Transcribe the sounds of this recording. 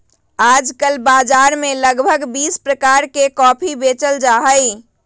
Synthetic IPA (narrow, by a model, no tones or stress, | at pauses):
ad͡ʒkəlbad͡ʒaɾmeləɡbʱəɡbispɾəkaɾkekɔpʰibet͡ʃəld͡ʒaɦəj